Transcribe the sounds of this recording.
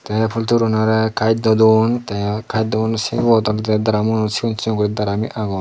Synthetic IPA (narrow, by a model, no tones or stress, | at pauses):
t̪ɛpʰult̪uɾunaɾɛkʰajt̪̚d̪ɔd̪unt̪ɛkʰajt̪̚d̪ɔɔnsiɡɔt̪ɔlt̪ɛd̪aɾamunɔsikɔnsiɔŋkɔɾit̪̚d̪aɾamiʔaɡɔn